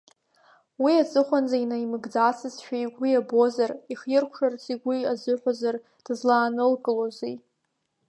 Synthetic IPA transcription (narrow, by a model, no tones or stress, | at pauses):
wiat͡sʼɨχʷand͡zainaimɨɡd͡zat͡sʰɨzʃᶣajɡʷwiabo̞zariχjɪrkʷʰʂart͡sʰʼiɡʷiazɨħʷᶣazar | d̥zlaːnɨlkʼɨlozij